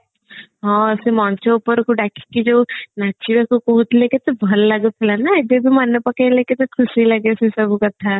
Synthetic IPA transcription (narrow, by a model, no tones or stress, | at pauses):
ɦãsemãːnt͡ʃeʊpəɾkuɖaːkʰi̥kid͡ʒoːnat͡ʃiʋɛkokoɦut̪leːket̪obʱɐlːɐɡut̪ʰelanaɛd̪ebʱimɐnːəpɐkeleːket̪okʰʊsilɐɡesesɐbukɐt̪ʰa